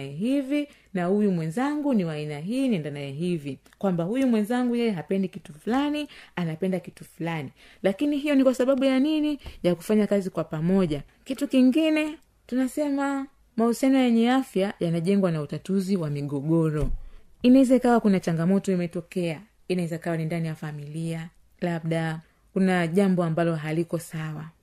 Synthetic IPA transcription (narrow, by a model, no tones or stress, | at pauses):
jɛɦivi | nahujumwɛnzaŋɡuniwainaɦiːniɛndanajɛɦivi | kwambahujumwɛnzaŋɡujɛjɛɦapɛndikitufulanianapɛndakitufulani | lakiniɦijɔnikwasaɓaɓujaninijaku̥faɲakazikwapamɔʄa | kitukiŋɡinɛ | tunasɛma | mausianɔjɛɲɛafjajanaʄɛŋɡwanautatuziwamiɠɔɠɔɾɔinaɛzaikawakunat͡ʃaŋɡamɔtɔimɛtɔkɛa | inaɛzaikawanindanijafamilia | laɓɗa | kunaʄambɔambalɔɦalikɔsawa